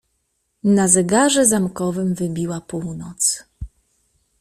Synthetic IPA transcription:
nazɛɡaʐɛzamkɔvɘmvɘbʲiwapuwnɔt̪s

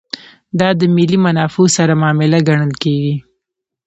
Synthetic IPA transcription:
d̪ɑd̪əmɪlimanɑfosaɾamɑmɪlaɡaɳ̃əlkeɡi

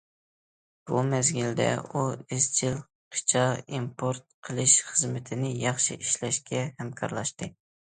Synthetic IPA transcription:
b̥umɛzɡʲild̪ɛ̰uizt͡ʃʰilˠ | qʰɨ̥t͡ʃʰɑimpʰoɾt̪̚qʰəlˠɨʃχəzmɪt̪ʰɪnɪjɑχʃḭʔiʃlɛʃkʲɛhɛmkʰɑ̰ɾlˠɑʃt̪ɨ

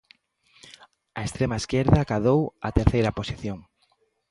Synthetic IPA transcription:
ɐest̪ɾemɐeskeɾðakaðowa̰t̪eɾθejɾɐposiθjoŋ

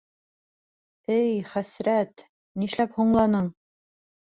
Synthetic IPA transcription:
ɘjχæsɾæt̪ | niʃlæphuɴlˠɑnɤɴ

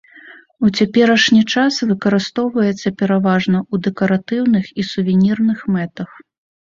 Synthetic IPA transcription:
ut͡sʲapʲɛɾɐʂnʲit͡ʂasvɨkɐɾɨst̪ɔwvɐjɛt̪sːɐpʲɛɾavaʐnɐud̪ɛkɐɾat̪ɨwnɨxisuvʲɛnʲirnɨxmɛt̪ɐx

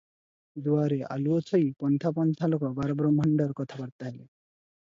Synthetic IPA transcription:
d̪uaɾea̰luɔt͡ʃʰɔjpɔnt̪ʰapɔnt̪ʰalokɔbaɾɔbɾɔmʱɔɳɖɔɾkɔt̪ʰabaɽt̪aɦele

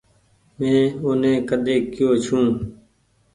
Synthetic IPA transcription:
mẽːʊnẽːkəd̪eːkɪjoːt͡ʃʰũː

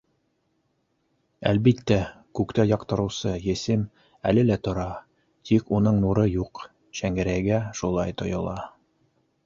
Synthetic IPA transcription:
æ̰lbit̪ːækʉkt̪æjɑqt̪ɤ̆ɾɤ̆wsɤjɘ̆sɘm | ælɘlæt̪ŏɾɑ | t̪ʰikunɤɴnuɾɤjuq | ɕæŋɡɘ̆ɾæjɡæʃulˠɑjt̪ŏjɤ̆lˠɑ

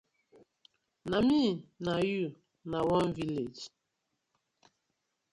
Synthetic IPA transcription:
naminaju | nawɔ̃nviled͡ʒ

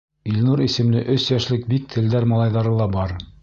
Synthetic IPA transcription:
ilʲnuɾisɘ̆mlɘʔɵsjæʃlɘk̚bik̚t̪ʰɘ̆ld̪æɾmɑlˠɑjðɑɾɤlˠɑbɑɾ

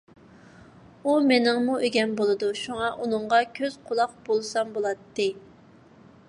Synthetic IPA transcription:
umenɪŋmuʔeɡʲɛnbolˠɨd̪uʃuŋɑʔunɨŋʁɑkʲʰøz̥qʰʊlˠɑq̚b̥olˠsɑmbolˠɑt̪ːɨ

